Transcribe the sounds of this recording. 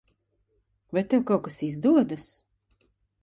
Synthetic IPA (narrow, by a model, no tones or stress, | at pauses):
vajt̪ɛwkawkasizd̪uɔd̪as